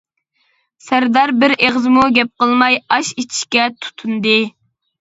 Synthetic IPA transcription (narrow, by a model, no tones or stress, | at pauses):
sæɾd̪ɑɾbɪɾeʁzɨmuɡʲɛp̚qəlˠmɑjɑʃet͡ʃʰi̥ʃkʲɛt̪ʰu̥t̪ʰund̪ɨ